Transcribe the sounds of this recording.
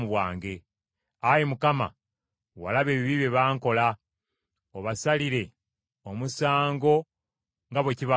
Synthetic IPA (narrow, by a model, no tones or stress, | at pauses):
muβwaːŋɡe̞ | ajemukama̰ | wa̰laβe̞ːβiβiβeβaːŋko̞la | oβasaliɾe̞ | omusaːŋɡo̞ | ŋɡaβweciβa